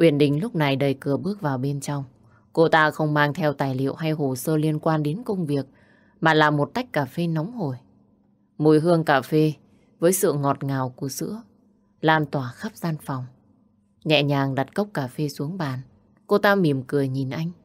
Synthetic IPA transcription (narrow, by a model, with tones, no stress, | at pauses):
ʔwi˧˩ənɗï˨˩ŋ̟lʊ˦˥k͡p̚na˨˩jɗə˨˩jkɨ˧˩əɓɨ˦˥ək̚vaː˨˩wɓe˧nt͡ɕɔ˧wŋ͡m | ko˧t̪aː˧xə˧wŋ͡mmaː˧ŋt̪ʰɛ˧wt̪aː˨˩jlḭ˧˨ə˨wɦa˧jɦo˨˩səː˧li˧ənkwaː˧nɗe˨˦nkə˧wŋ͡mvi˨˩ək̚ | maː˨˩laː˨˩mo˨˩t̚t̪a˦˥jk̟̚kːaː˧˩fe˧nɔ˨˦wŋ͡mho˧˩j | mo˧˩jɦɨ˧əŋkaː˧˩fe˧ | vəː˨˦jsɨ̰˧˨ŋɔ˨˩t̚ŋaː˨˩wku˧˩əsɨ̰˧˥ə | laː˧nt̪waː˧˩xa˦˥p̚zaː˧nfɔ˨˩wŋ͡m | ɲɛ̰˧˨ɲaː˨˩ŋɗa˨˩t̚kə˦˥wk͡p̚kaː˧˩fe˧su˨˦əŋɓaː˨˩n | ko˧t̪aː˧mi˧˩əmkɨ˨˩əjɲi˨˩nʔa˧jŋ̟